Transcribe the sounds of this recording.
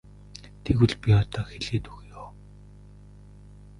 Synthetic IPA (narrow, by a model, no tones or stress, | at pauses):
t̪ʰeɣwɘ̆ɮpiɔt̪ɔːxeɮeːt̪uɣjoː